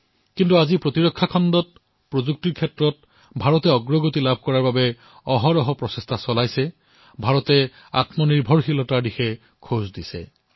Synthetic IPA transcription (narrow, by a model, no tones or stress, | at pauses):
kintuazipɹotiɹɔkʰːakʰɔndɔt̚ | pɹozuk̚tiɹkʰɛtɹɔt̚ | bʱaɹɔtɛɔɡɹɔɡotilabʱkɔɹaɹbabɛ | ɔɦɔɾɔɦɔpɹɔsestʰasɔlajsɛ | bʱaɹɔtɛ | a̰tmɔniɹbʱɔɹxilɔtaɹdixɛ | kʰozdisɛ̰